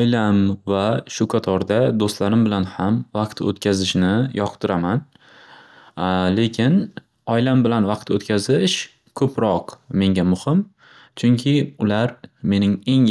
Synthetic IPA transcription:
ɒjlamvaʃʊkʰat̪ʰɒɾd̪ad̪ost̪laɾɪmbɪlanhamvɑqt̪ʰo̰t̪kʲʰazɪʃnɪjɒqt̪ʰɪɾaman | le̞kʲʰɪn | ɒjlambɪlanvɑqt̪ʰot̪kʲazɪʃ | kʰɵpʰɾɒqme̞ŋɡʲamʊhɪm | t͡ʃʰʊŋkʲʰɪʊlaɾme̞nɪŋe̞ŋ

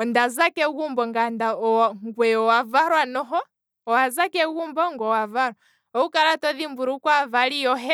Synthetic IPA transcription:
ɔndazakɛɣumbɔŋɡandaɔŋɡwɛɔwavaɾwanɔɦɔ | ɔwazakɛɣumbɔŋɡɔwavaɾɔ | ɔukaɾatɔðimbuɾukwavalijɔɦɛ

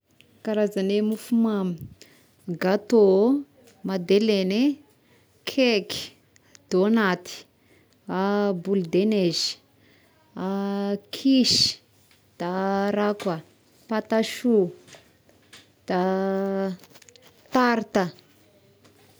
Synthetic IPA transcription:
kaɾazanemufumami | ɡat̪o | mad̪elene | kʰeki̥ | d̪̥onat̪i̥ | abuld̪enez̥ | akʰiʃi̥ | d̪̥aɾaka | pat̪aʃu | d̪̥a | t̪aɾit̪a

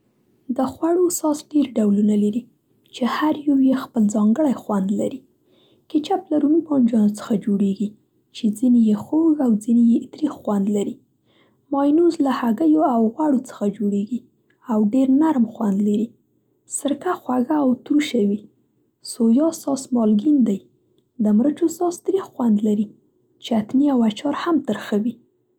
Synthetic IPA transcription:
d̪əxwaɽosɑsɖeɾɖawlunalaɾi | t͡ʃehaɾjawjexpəlzɑŋɡəɽajxwand̪laɾi | kɪt͡ʃaplaɾunibɑnd͡ʒɑnot͡sə̥xad͡ʒoɽeɡi | t͡ʃed͡zinejexoɡawd͡zinejet̪ɾixwand̪laɾi | mɑjnuzlahaɡəjoawɣwaɽot͡sə̥xad͡ʒoɽeɡi | awɖeɾnaɾmxwand̪laɾi | səɾkaxwaɡaːwt̪ɾuʃawi | sojɑsɑsmɑlɡind̪aj | d̪əmɾət͡ʃosɑst̪ɾixwand̪laɾi | t͡ʃeat̪niawat͡ʃɑɾhamt̪əɾxawi

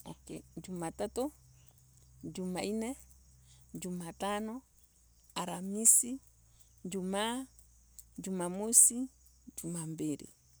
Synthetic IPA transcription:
ɔkɛ̰d͡ʒumatatu | d͡ʒumainɛ | d͡ʒumatanɔ | aɾamisi | ɲd͡ʒuma | d͡ʒumamusi | d͡ʒumambiɾḭ

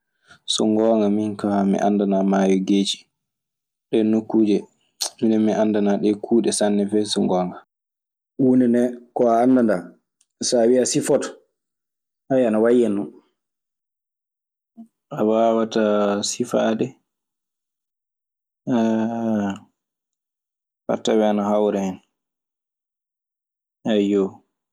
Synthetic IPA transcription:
sɔŋɡɔːŋɡaminkamḭʔa̰ndanamaːjɔɡeːt͡ʃi̥ | ɗɛnukːuːd͡ʒɛ | minɛmiʔandanaɗɛkʰuːɗɛsanːɛfɛsɔŋɡɔːŋɡa | unɛnɛkɔaːndanda | sawiasifɔtɔ̥ | hajanawajɛnɔ | awawatasifadɛ | fa̰tːawɛanahawɾɛhɛn | ajo

